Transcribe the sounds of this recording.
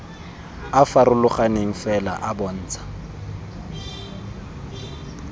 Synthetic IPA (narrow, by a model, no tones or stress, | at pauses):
afarʊlʊχaneŋ̩fɛla̰ʔabɔn̩ːt͡sʰʼḁ